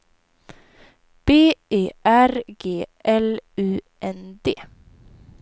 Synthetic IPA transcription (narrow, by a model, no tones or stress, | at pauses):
b̥eːeːʔæɾɡeːʔɛlʉː | ʔɛnd̪eː